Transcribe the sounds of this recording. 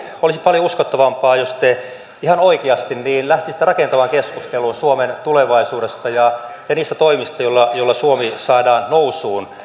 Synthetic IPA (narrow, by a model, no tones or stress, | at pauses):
olisipɑljouskot̪ːɑʋɑmpɑːjost̪e | ihɑnoikeɑst̪inniːnlæht̪isi̥t̪ːærɑkent̪ɑmɑŋkeskust̪eluːnsuoment̪uleʋɑisuːdest̪ɑjɑ | jɑniːst̪æt̪oimist̪ɑjolːɑjolːɑsuomisɑːdɑːnnousuːn